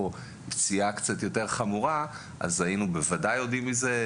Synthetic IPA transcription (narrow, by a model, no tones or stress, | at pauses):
o | bt͡siakt͡satjo̞te̞ʁχamuʁa | ʔa̰zainubevadajo̞dimize